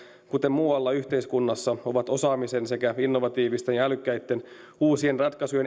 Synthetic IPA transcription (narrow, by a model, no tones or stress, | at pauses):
kut̪emmuːɑlːɑyçt̪eiskunːɑsːɑo̞ʋɑt̪o̞sɑːmise̞nse̞kæinːo̞ʋɑt̪iːʋist̪enjɑælykːæjt̪ːe̞n | uːsienrɑt̪kɑsujen